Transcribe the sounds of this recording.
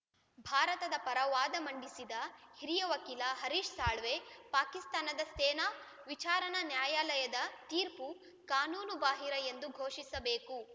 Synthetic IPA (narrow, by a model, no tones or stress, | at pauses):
bʱaːɾɐt̪ɐd̪ɐpɐɾɐʋaːd̪ɐmɐɳɖisid̪ɐhiɾijɐʋɐkilɐɦɐɾiːʂsaːɭʋepaːkist̪aːnɐd̪ɐst̪eːna | ʋit͡ʃaːɾɐnɐnjaːjaːlɐjɐd̪ɐt̪iːɾpu | kaːnuːnubaːɦiɾɐjend̪uɡʱoːʃisɐbeːku